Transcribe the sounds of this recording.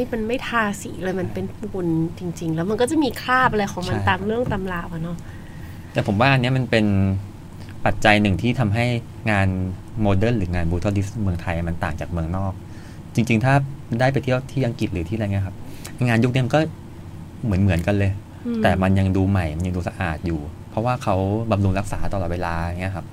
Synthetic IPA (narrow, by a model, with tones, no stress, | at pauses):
i˥˩ma˧nma˥˩jt̪ʰaː˧˩siː˩˦lɤː˧jma˧npe˧npu˧˩nt͡ɕi˧ŋt͡ɕi˧ŋlɛː˦˥wma˧nkɔ˥˩t͡ɕa˨˩miː˧kʰɾaː˥˩p̚ʔa˧ɾa˧jkʰɔː˩˦ŋma˧nt̪aː˨˩ŋɾɯ˥˩əŋt̪a˧mlaː˧˩wa˨˧˩nɔ˦˥ | t̪ɛː˨˩pʰo˩˦waː˥˩ʔa˧nːi˦˥ɐma˧npe˧n | pa˨˩t̪̚t͡ɕa˧jnɯ˨˩ŋt̪ʰiː˥˩t̪ʰa˧mɦa˥˩j | ŋaː˧n | moː˧dɤː˥˩nɾɯː˩˦ŋaː˧nbuː˧t̪ʰa˦˥˩li˦˥smɯ˧əŋt̪ʰa˧jʔjma˧nt̪aː˨˩ŋt͡ɕaː˨˩k̚mɯ˧əŋnɔː˥˩k̚ | t͡ɕi˧ŋt͡ɕi˧ŋt̪ʰaː˥˩daː˥˩jp̬a˧jt̪ʰi˥˩ə˩wt̪ʰiː˥˩ʔa˧ŋki˨˩t̪̚ɾɯː˩˦i˥˩a˧jŋ˧˦˥kʰa˦˥p̚ | ʔa˧jŋaː˧nju˦˥k̚ni˦˥ma˧kɔː˥˩ | mɯ˩˦ənmɯ˩˦ənka˧nlɤː˧j | t̪ɛː˨˩ma˧nja˧ŋduː˧ma˨˩jma˧nja˧ŋduː˧sa˧ʔa̰ː˨˩t̪̚juː˨˩ | pʰɾɔ˦˥waː˥˩kʰa˦˥wba˧mlu˧ŋɾa˦˥k̚saː˩˦t̪ɔː˧˨lɔː˨˩weː˧laː˧˩ŋːi˦˥ɐkʰa˦˥p̚